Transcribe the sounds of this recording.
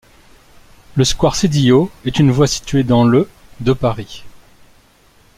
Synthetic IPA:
ləskwaʁsed̪ijoɛt̪ynvwasi̥t̪ɥed̪ɑ̃ləd̪əpaʁi

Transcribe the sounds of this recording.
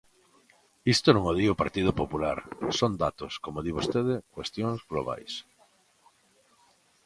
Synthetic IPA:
ist̪onõŋoð̞iopaɾt̪ið̞ʊopopulaɾsond̪at̪oskomoðiβost̪eð̞ekwest̪joŋzɣloβa̰js

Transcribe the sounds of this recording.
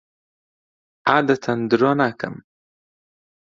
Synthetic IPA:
aːd̪ət̪ʰand̪ɾonakə̰m

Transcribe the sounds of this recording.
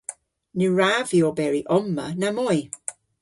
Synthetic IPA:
nuɹavjɔbɛɹiʔɔmːə̰namɔj

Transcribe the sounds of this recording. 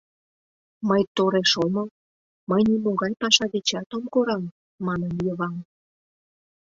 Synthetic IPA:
məjt̪oɾeʃomə | məjnimoɣɑjpɑʃɑdet͡ɕɑt̪omkoɾɑmː | ɑnənjəβɑm

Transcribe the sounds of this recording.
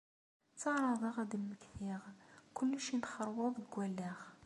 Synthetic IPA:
t͡sːɑʁɾˤɑðˤəʁæd̪lməkθiʁkʊlːəʃinχəɾˤwʊðˤɡʷwælːæʁ

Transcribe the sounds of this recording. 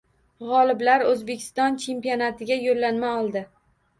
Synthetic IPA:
ʁɒlɪblaɾɵzbe̞kʲʰɪ̥st̪ɒnt͡ʃʰe̞mpijonat̪ʰɪɡʲajolːanmaɒlˠd̪ɪ

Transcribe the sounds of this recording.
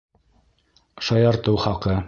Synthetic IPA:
ʃɑjɑɾt̪ɤwχɑqɤ

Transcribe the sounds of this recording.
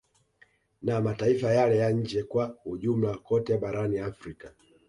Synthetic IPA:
namataifajalɛjaɲ̩d͡ʒɛkwahuʄum̩lakɔtɛɓaɾaniafɾika

